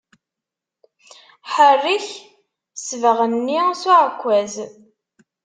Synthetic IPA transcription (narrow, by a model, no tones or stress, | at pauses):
ħərːiç | svəʁənːisʊʕəkʷːæz